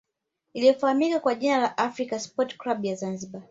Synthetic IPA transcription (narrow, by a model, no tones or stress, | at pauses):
ilijɔfahamikakwaʄinalaʔafɾikaspɔtklaɓjazanziɓa